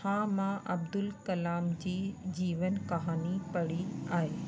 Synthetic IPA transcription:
hãːmãʔɐbd̪ʊlkɐlaːmd͡ʑiːd͡ʑiːʋənkɐɦaːnipɐɽiaːɦeː

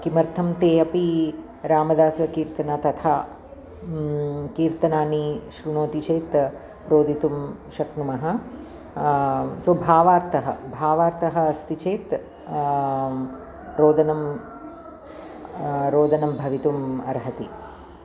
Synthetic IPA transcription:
kimɐɾt̪ʰɐmt̪eːɐpi | ɾaːmɐd̪aːsɐkiːɾt̪ɐnat̪ɐt̪ʰa | kiːɾt̪ɐnaːniʃɾunoːt̪it͡ʃeːt̪ | ɾoːd̪ʱit̪umʃɐknumɐɦɐ̆ | sɐbʱaːʋaːɾt̪ʰɐɦɐ̰bʱaːʋaːɾt̪ɐɦɐ̆ɐst̪it͡ʃeːt̪ | ɾoːd̪ɐnɐm | ɾoːd̪ɐnɐmbʱɐʋit̪umɐɾɦɐt̪i

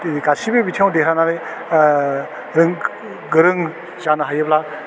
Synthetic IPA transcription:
ɡasibebitʰjaw̃dekʰɾanale | ɾɯŋ | ɡɯɾɯŋ | zanɯɦajɯpla

